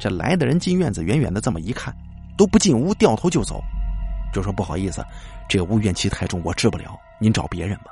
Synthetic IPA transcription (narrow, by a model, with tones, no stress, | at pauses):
ʈ͡ʂɤ˥˩la̰˧˥ɪd̪ə˨ɻə˧˥nt͡ɕi˥nɥɛ˥˩nd͡zɹ̩˨˩ɥɛ˧˥nɥɛ˨˩nd̪ə˦t͡sə˥˩mə˩i˧˥kʰa˥˩n | t̪o˥ʊpu˥˧t͡ɕi˥˩nu˥t̪jɑ˥˩ʊt̪ʰo˥ʊjo˥˩ʊt͡so̰˨˩˦ʊt͡ɕjo˥˧ʊʂwɔ˥pu˥˩xɑ˨˩ʊi˥˩sɹ̩̰˩ʈ͡ʂɤ˥˩ɡə˩u˥ɥɛ˥˩nt͡ɕʰi˧˥t̪ʰa˥˧ɪʈ͡ʂʊ˥˩ŋwɔ˨˩ʈ͡ʂɻ̩˥˩pu˥˩ljɑ˧˥ʊni˧˥nʈ͡ʂɑ˨˩ʊpjɛ˧˥ɻə˧˥nbɐ̥˧